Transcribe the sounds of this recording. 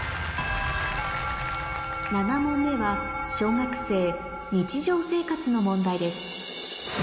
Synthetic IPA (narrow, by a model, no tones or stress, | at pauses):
nanamõmːe̞βa | ɕo̞ːŋakɯ̟̥se̞ː | ɲ̟it͡ɕiʑo̞ːse̞ːkat͡sɨno̞mõ̞nd̪aid̪e̞sɨ̥